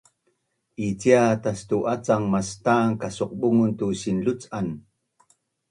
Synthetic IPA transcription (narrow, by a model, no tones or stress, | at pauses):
ʔit͡siatast̪uʔat͡saŋmast̪aːŋkasoq̚ɓuŋuntusinɮut͡san